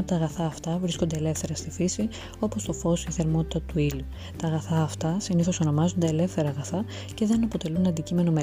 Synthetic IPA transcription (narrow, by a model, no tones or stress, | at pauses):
ɐpot̪ɐɣɐθɐːft̪ɐvɾisko̞nd̪e̞ːle̞fθe̞ɾɐst̪ifisi | o̞po̞st̪o̞fo̞siθe̞ɾmo̞t̪i̥t̪ɐt̪uilu | t̪ɐːɣɐθɐːft̪ɐsiniθo̞so̞no̞mɐzo̞nd̪eele̞fθe̞ɾɐːɣɐθɐ | ce̞ðe̞nɐpo̞t̪e̞lunɐnd̪icime̞no̞me